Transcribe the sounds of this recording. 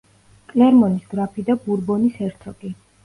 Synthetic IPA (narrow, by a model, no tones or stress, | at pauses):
kʼlɛɾmɔnisɡɾapʰid̪abuɾbɔnisɛɾt̪ʰɔɡi